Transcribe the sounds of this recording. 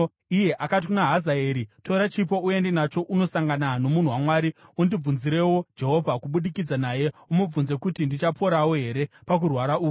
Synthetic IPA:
ije̞ʔakat̬ikunaɦazaeːɾito̞ɾat͡ʃip̬o̞ue̞ndenat͡ʃo̞ʔuno̞saŋɡanano̞mun̤uwamwaːɾiundib͡vunziɾe̞wo̞d͡ʒe̞ɦo̞vʱakuɓuɗikid͡zanaje̞umub͡vunze̞kutindit͡ʃapʰo̞ɾawo̞ɦe̞ɾe̞pak̬urwaɾaʔuːku

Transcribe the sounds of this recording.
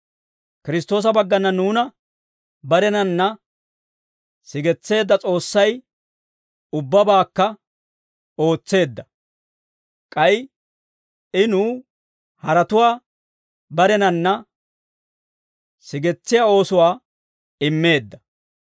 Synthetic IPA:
kɪɾɪs̬t̪ːo̞ːs̬ɐbɐɡːɐnːɐnuːnɐ | bɐɾɛnɐnːɐ | sɪɡɛt͡sːe̞ːd̪ːɐt͡sʼo̞ːsːɐj | ʊbːɐbaːkːɐ | o̞ːt͡sːe̞ːd̪ːɐ | kʼɐj | ɪnuː | hɐɾɐt̪ʊwaː | bɐɾɛnɐnːɐ | sɪɡɛt͡sːɪjaːo̞ːsʊwaː | ɪmːe̞ːd̪ːɐ

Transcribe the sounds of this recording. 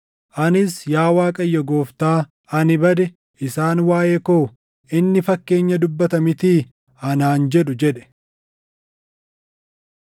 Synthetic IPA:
ʔɐnɪsjaːwaːkʼɐjːɐɡo̞ːft̪aː | ɐnɪbɐd̪ɛ | ʔɪsaːnwaːjekoː | ʔɪnːɪfɐkːe̞ːɲːɐd̪ʊbːɐt̪ɐmɪt̪iː | ɐnaːnd͡ʒɛᶑʊd͡ʒɛᶑɛ̥

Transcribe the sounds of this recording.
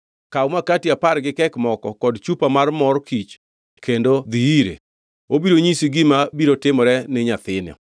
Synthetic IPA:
kawmakatiapaɾɡɪkɛkmɔkɔkɔdt͡ʃupamarmɔɾkit͡ʃ | kʰendod̪iiɾḛ | obiɾoɲisiɡɪmabiɾotɪmɾɛnɪɲat̪ɪnjɔ̰

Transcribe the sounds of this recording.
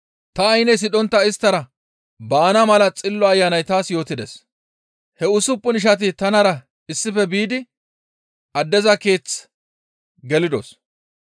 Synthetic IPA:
t̪ɐːjnɛjs̬ɪᶑɔnt̪ːɐɪst̪ːɐɾɐ | baːnɐmɐlɐt͡sʼɪlːɔɐjːanɐjt̪aːsjo̞ːt̪ɪd̪es | hɛʊsʊpːʊnɪʃ̬ɐt̪̬ɪt̪ɐnɐɾɐ | ɪsːɪfɛbiːd̪ɪ | ʔɐd̪ːɛzɐke̞ːt͡s | ɡɛlɪd̪o̰s

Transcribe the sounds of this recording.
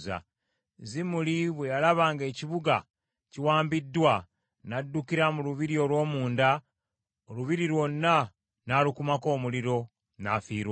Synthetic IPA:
za̰ | zimuliβwejalaβaːŋɡe̞ːciβuɡa | ciwaːmbidːwa | nadːukiɾamuluβiɾio̞lwo̞ːmuːnda | oluβiɾiɾwo̞nːa | nalukumako̞ːmuliɾo̞ | na̰fiːɾwa

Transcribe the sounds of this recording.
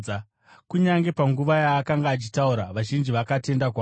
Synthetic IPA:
kuɲaŋɡe̞paŋɡuʋajaːkaŋɡaːt͡ʃi̥tauɾaʋaʒind͡ʒiʋakate̞ndakwaː

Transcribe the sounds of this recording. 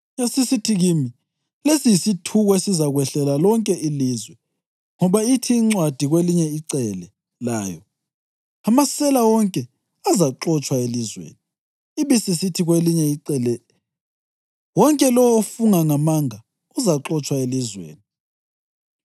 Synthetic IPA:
jasisitʰiɣimi | lesijisitʰuɣɔesizaɣwɛɬɛlalɔŋkʼɛʔilizwɛ | ŋɔβaitʰiːŋ͡ǀwad̥ʱiɣweliɲɛiǀɛlɛ | la̰ːjɔ | amasɛlawɔŋkʼɛ | azaǁɔt͡ʃʼwaelizwḛːniː | βisisitʰiɣweliɲɛiǀɛlɛ | wɔŋkʼɛlɔwɔofuŋaŋamaŋa | uzaǁɔt͡ʃʼwaelizwḛːni

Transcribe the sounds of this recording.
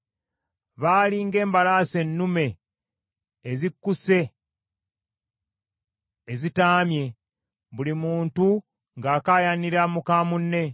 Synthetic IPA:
βaːliŋɡe̞ːmbalaːse̞nːume̞ | zikːuse̞ | zitaːmje̞ | βulimuːntu | ŋɡaːkaːjaniɾamukamunːe̞

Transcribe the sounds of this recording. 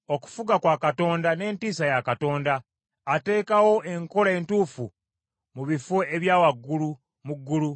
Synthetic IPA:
o̞ku̥fuɡakwaːkato̞ːndane̞ːntiːsajakato̞ːndaː | te̞ːkawo̞ʔe̞ŋko̞ɾae̞ntuːfu | muβifeeβjaːwaɡːulu | muɡːulu

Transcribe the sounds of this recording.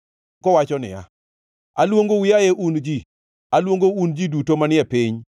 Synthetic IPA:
kɔwat͡ʃɔnɪ̰ja̰ | alwoŋɡowijajɛʔund͡ʒi | alwoŋɡound͡ʒidutomanɪɛpiɲ

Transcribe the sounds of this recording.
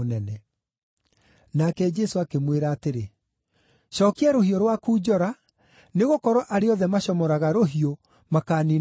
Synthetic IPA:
nɛnɛ | nakɛd͡ʒɛsoakemweɾaːteɾe | ʃɔːkeɛɾohioɾwakuːd͡ʑɔɾa | neɣokɔɾɔʔaɾeɔðɛmaɕɔmɔɾaɣaɾoɦio | makaːni

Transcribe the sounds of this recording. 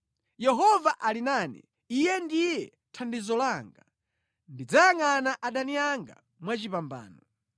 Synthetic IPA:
jɛɦɔvaʔalinaːnɛ̰ | ijɛndijɛ | tʰandizɔlaŋɡa | ndid͡zajaŋanaʔaɗaniaŋɡa̰ | mwat͡ʃipamba̰ːnɔ

